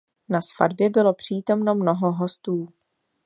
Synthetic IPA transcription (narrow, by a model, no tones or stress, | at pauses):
nasfa̰dbjɛbɪlo̞pr̝̥iːt̪o̞mno̞mno̞ɦo̞ɦo̞st̪uː